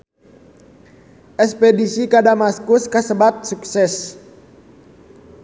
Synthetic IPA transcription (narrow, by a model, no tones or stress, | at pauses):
ʔɛspɛdisikadamaskuskasəbat̪̚suksɛs